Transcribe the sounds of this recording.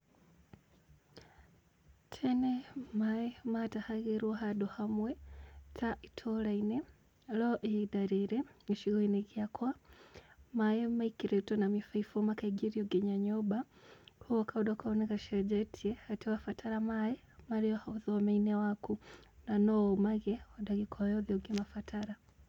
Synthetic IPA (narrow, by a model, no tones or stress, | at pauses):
tʰɛnɛmaɛmatahaɣiɾuaɦaɗɔhamwɛtʰaʔitʰɔlainɛ | lɔʔiidaɾiɾɛiʃiɣɔinɛkiakʰwa | maɛmaikiɾɛtɔnamifaifɔmakaiɡiɾiɔɡɛɲaɲɔba | huɔkʰaudakaɔnɛkaʃɛd͡ʒɛtʰiɛhatɛwafatʰaɾamaɛ | maɾiɔhauðɔamainɛwakunanɔmaɣɛɔdaɣikʰɔjɔðiɔɡɛmafatʰaɾa